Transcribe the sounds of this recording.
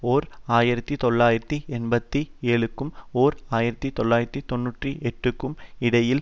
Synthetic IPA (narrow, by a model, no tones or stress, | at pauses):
oːɾaːjɪɾɐt̪ːit̪ɔɭːaːjɪɾɐt̪ːiɛnbɐt̪ːieːɭɯkːɯmoːɾaːjɪɾɐt̪ːit̪ɔlːaːjɪɾɐt̪ːit̪ɔnːuːʈriʔɛʈrɯkːɯmɪɽɐjɪl